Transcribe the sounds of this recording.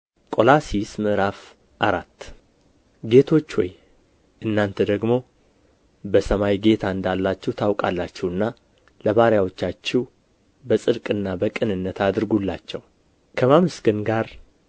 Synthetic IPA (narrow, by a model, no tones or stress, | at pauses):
kʼo̞lasismɨʔɾaf | ʔaɾat̪ː | ɡe̞t̪ʰo̞t͡ʃːwɔ̰j | ʔɨnːant̪ʰəd̪əɡmo̞ | bəsəmajɡe̞t̪ʰaɨnd̪alːat͡ʃːɛwt̪ʰawkʼalːat͡ʃːɛwɨnːa | ləβaɾjawo̞t͡ʃːat͡ʃːɛw | bəsʼɨd̪kʼɨnːabəkʼɨnɨnːət̪ʰad̪ɨɾɡulːa̰t͡ʃːɛw | kʰəmamɨsɡɨnɡaɾ